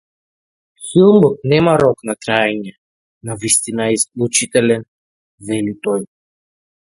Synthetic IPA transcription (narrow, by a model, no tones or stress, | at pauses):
silˠmɔk̚nɛmaɾɔknakɾaɛɲɛ | navist̪inaɛislˠut͡ʃit̪ɛlɛn | vɛlit̪ɔj